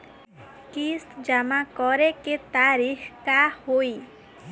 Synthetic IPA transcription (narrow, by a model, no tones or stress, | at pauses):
kist̪d͡ʒəmakɔɾeket̪aːɾixʰkahoi